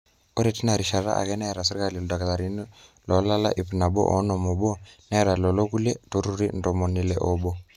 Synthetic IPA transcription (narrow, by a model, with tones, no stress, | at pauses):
ɔ˦ɾe˨ti˦na˨ɾi˨ʃa˨ɾa̰˦ʔa̰˨kɛ˦na˦ɛ˨ɾa˨s̬i˦ɾka˨li˨lɔ˨da˨ka˨la˨ɾi˦n˦lɔ˨˦la˦la̰˦ʔi˨pi˨na˨ɓɔ̰˦ʔɔ˨˦nɔ˨mo˨ɓɔ˦na˦ɾa˨lɔ˨lɔ˦ku˦le˦to˦ɾu˦ɾi˦ndɔ˨mɔ˨ni˨lɛ˨ʔɔ˦ɓɔ˦